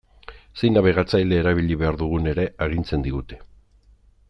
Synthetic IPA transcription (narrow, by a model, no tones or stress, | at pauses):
se̞jnaβeɣat͡sajleːɾaβ̞iʎiβe̞aɾðuɣ̞une̞ɾe̞aɣ̞int͡se̞nd̪iɣut̪e̞̥